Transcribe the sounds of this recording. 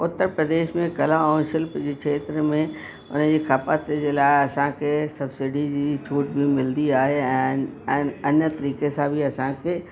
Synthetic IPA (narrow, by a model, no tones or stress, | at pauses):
ʊt̪ːəɾpɾɐd̪eːʃmẽkɐlãõːʃəlpd͡ʑekʰeːt̪ɾəmẽ | ʊ̰nd͡ʑiːkʰapat̪d͡ʑeːlaːɪɐsãkʰesɐbsɪɖid͡ʑiːt͡ɕʰuːʈbʱimɪld̪iaːɦeɛ̃ː | ɐnə̆t̪ɐɾiːkesãbʱiɐsãkʰeː